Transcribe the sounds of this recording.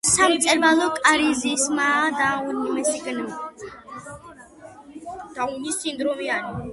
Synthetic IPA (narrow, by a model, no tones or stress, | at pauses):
samt̪sʼɛɾvalɔkʼaɾizismad̪aunmɛsiɡn | d̪̥aunisind̪ɾɔmiani